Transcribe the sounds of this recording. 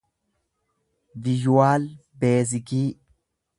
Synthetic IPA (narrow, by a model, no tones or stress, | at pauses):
vɪd͡ʒwaːlbeːzɪkiː